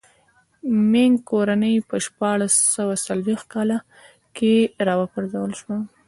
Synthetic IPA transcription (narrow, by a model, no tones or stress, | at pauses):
meŋɡkoɾanəjpəʃpɑɽasːawasalwext̪̚kɑla | keɾɑwəpaɾzawəlʃwa